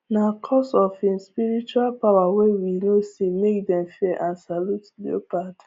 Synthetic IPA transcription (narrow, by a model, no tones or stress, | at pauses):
nakʰɔsɔfĩnspiɹit͡ʃualpawawewinosimek̚dɛ̃mfɛʔãnsalutlio̰pat